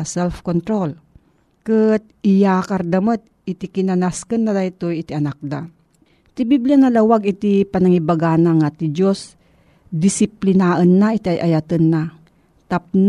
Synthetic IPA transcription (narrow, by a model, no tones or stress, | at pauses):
sɛlfkont̪ɾol | kɨt̪̚ʔɪjakɐɾd̪ɐmət̪̚ | ɪt̪ikɪnanaskənːad̪ajt̪ojɪt̪iʔɐnak̚d̪a̰ | t̪ibiblanɐlawaɡɪt̪ipɐnaŋibaɡanaŋat̪id͡ʒos | d̪ɪsɪplɪnaʔənːaʔit̪iajʔajat̪ənːa | t̪ap̚n